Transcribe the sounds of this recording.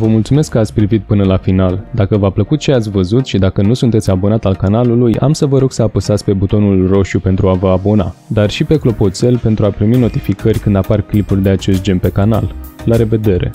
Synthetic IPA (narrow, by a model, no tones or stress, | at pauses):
vəmult̪sume̞skːəat̪sʲpɾivit̪̚pɨnəlafinald̪akəvapləkut̪̚t͡ʃe̞at̪sʲvəzut̪ʃid̪akənusunt̪e̞t̪sʲabo̞nat̪alkanaluluja̰msəvəɾo̞ɡ̥səapəsat̪sʲpe̞but̪o̞nulro̞ʃupe̞nt̪ɾuavəabo̞na̰d̪arʃipe̞klo̞po̞t̪se̞lpe̞nt̪ɾuapɾimino̞t̪ifikərʲkɨnd̪aparklipurʲd̪e̞at͡ʃe̞st̪̚d͡ʒe̞npe̞kana̰lːaɾe̞ve̞d̪e̞ɾe̞̰